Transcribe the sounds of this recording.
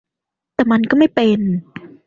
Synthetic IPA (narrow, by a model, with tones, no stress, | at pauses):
t̪ɛː˨˩ma˧nkɔː˥˩ma˥˩jpe˧n